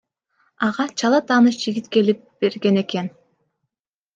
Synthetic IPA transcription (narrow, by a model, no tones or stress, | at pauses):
ɑʁɑt͡ʃʰɑlˠɑt̪ʰɑːnɯʃd͡ʒiɡʲit̪ke̞lip̚b̥e̞ɾɡe̞ne̞ke̞n